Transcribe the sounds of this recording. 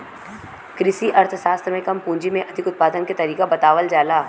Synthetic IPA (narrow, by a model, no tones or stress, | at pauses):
kɾɪʃiʔɐɾt̪ʰəsaːst̪ɾəmẽkɐmpũːɲd͡ʒimẽʔɐd̪ʱɪkʊt̪̚paːd̪ənket̪ɐɾiːkabɐt̪aːʋəld͡ʒaːlaː